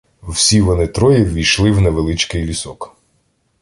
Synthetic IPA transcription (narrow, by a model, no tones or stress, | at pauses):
wsʲiʋɔnɪt̪ɾɔjiʋʲijʃlˠɪwnɛʋelˠɪt͡ʃkɪjlʲisɔk